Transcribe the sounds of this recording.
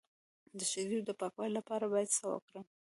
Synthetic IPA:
d̪əʃaɾid̪əpɑkwɑjlapɑɾabɑjad̪sawa̰kɽəm

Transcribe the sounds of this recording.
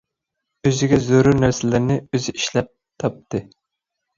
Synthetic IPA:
øzɪɡʲɛzoɾunæɾsɪlɪɾnɪøzɪiʃlɛp̚ | t̪ʰɑp̚t̪ɨ

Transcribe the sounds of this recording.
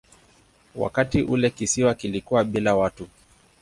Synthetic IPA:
wa̰katiʔulɛkisiwakilikuwaɓilawatu

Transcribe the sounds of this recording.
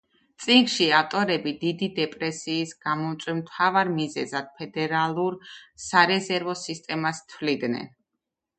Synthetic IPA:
t̪sʼiŋɡʃiaft̪ʼɔɾɛbid̪id̪id̪ɛpʼɾɛsiːsɡ̥amɔmt̪sʼwɛmt̪ʰavaɾmizɛzad̪̥̚pʰɛd̪ɛɾalˠuɾsaɾɛzɛɾvɔsist̪ʼɛmast̪ʰwlid̪nɛ̰n

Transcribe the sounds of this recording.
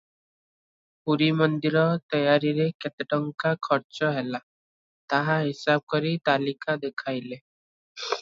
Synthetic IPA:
puɾimɔnd̪iɾɔt̪ɔjaɾiɾeket̪eʈɔŋkakʰɔɾt͡ʃɔɦela | t̪aɦaɦisab̚kɔɾit̪alikad̪ekʰajle

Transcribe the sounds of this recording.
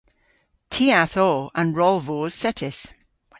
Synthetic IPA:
tʰiːaθɔːə̃nɹɔlˠvoːz̥sɛtʰɪs

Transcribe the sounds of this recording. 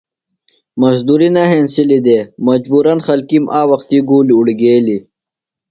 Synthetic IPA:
mɐzd̪uɾinɐɦeːnsilid̪eːmɐd͡ʑbuːɾɐnxɐlkimʔaːwɐxt̪iɡuːliuɽiɡeːli

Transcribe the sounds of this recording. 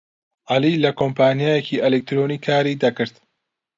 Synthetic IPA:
ʔɐliːlɐkʰompʰaːnijaːjeciːʔelek̚t̪ɾoːniːkʰaːɾid̪ɐkɨɾt̪

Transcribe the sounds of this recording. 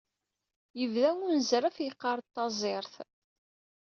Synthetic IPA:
jəvðæŋunzɾæfjiqːɑɾˤt̪ːɑzˤɪɾˤθ

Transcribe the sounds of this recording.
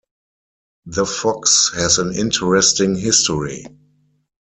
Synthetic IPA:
ðəfɔkshɛzə̃nɪ̰̃ntʰəɹɛstɪ̃ŋɦɪstɔɹḭ

